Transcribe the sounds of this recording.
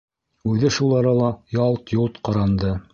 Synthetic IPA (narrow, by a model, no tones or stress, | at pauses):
ʉðɘʃulˠɑɾɑlˠɑjɑlˠt̪julˠt̪qɑɾɑnd̪ɤ